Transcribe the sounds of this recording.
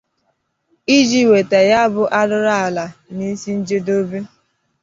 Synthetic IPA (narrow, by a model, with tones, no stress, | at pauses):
i˦d͡ʒi˦˨we˨te˨ja˦bʊ˦ʔa˦dʊ˦ɾa˦a˨la˨ni˦si˦n̩˦d͡ʒe˦do˦be˦